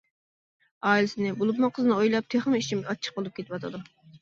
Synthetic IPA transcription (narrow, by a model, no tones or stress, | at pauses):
ɑːilɪsɪnɪbolˠup̬mɑqʰəznɨojlˠɑp̚t̪ʰeχmɪit͡ʃʰimɡʲɑt͡ʃʰːə̥q̚bolˠup̚kʲet̪ɪwɑt̪ʰɨd̪u